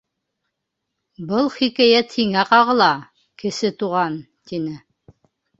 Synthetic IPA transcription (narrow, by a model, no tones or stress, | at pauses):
bɤlˠχikæjæt̪hiŋæqɑʁɤ̆lˠɑ | kɘ̆sɘt̪uʁɑnt̪inɘ